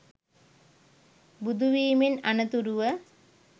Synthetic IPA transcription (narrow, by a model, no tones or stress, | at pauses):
bud̪uʋiːmenanət̪uɾuʋə